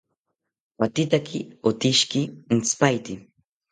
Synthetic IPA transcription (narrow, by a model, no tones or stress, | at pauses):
wat̪ɪt̪akɪot̪ɪʃkɪnt͡spajt̪ɪ